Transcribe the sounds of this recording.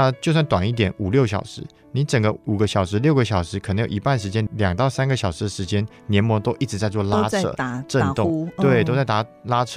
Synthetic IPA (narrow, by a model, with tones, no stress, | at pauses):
a˥˧t͡ɕjʊswa˥˩nt̪wa˨˩ni˥˩t̪jɛ˨˦nu˨˩ljo˥˩ʊɕ̬jɑ̰˨˩ʊʂɻ̩˧˦ | ni˧˥nʈ͡ʂə˨˩ŋɡə̰˧˦u˨˩ɡə˧˦ɕjɑ˨˩ʊʂɻ̩˧˥ljo˥˩ʊɡə˧˦ɕjɑ˨˩ʊʂɻ̩˧˥kʰə˨˩ə˧ŋjo˨˩˨i˧˥pa˥˩nʂ̬ɻ̩˧˥t͡ɕjɛ˥nljɑ˨˩ŋt̪ɑ˥˩ʊsa˥nɡə˨˩ɕjɑ˨ʊʂɻ̩˧˦d̪ə˨ʂɻ̩˧˦˥t͡ɕjɛ˥n | njɛ˧˥nmwɔ˧˥t̪o˥ʊʔi˥˩ʈ͡ʂɻ̩˧˥t͡sa˥˧ɪt͡swla˥ɤ̰˥˩˧ʈ͡ʂə˥˧nʊ˥˨ŋt̪we˩˥˩ɪt̪o˥ʊt͡sa˥˩ɪt̪a˧˥la˦˥ʈ͡ʂʰɤ˥